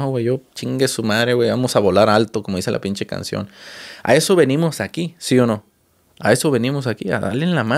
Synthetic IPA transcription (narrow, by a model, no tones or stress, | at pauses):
awejot͡ʃiŋɡesumaðɾeweβamosaβolaɾalt̪okomoðiselʔa̰pint͡ʃeka̰nsjo̰na̰esoβenimosakisiono | a̰esoβenimos̬akia̰ða̰lenlama